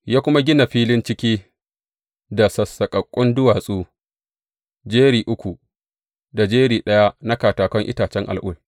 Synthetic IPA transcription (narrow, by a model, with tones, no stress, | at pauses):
jaː˦kʷʊ˦ma˦ɡʲɪ˦na˨ɸiː˦lɪ˦nt͡ʃɪ˦kʲiː˦ | da˨sɐ˨sːɐ˨kʼɐ˨kʷʼːʊ˦ndʊ˦waː˨sʼuː˦ | d͡ʒeː˦ɾiː˨ʔʊ˦kʷu˨ | da˨d͡ʒeː˦ɾiː˨ɗɐ˦ja˦na˦kaː˨taː˨kʷɔ˦ŋʔɪ̰˦taː˨t͡ʃɛ˦ŋʔa̰˨lʔʊ̰˦˨l